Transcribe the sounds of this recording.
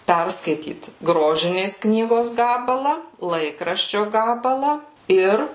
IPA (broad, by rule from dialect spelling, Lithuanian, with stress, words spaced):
ˈpʲɛrskɐɪtʲiːt ˈɡroːʒʲɪnʲeːs ˈknʲiːɡoːs ˈɡɑːbɐlˠɐ ˈlˠɐɪkrɐʃʲt͡ʃʲoː ˈɡɑːbɐlˠɐ ˈɪr